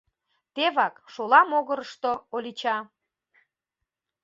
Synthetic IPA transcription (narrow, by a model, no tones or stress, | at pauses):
t̪eβɑkʃolɑmoɣəɾəʃt̪oolʲit͡ɕɑ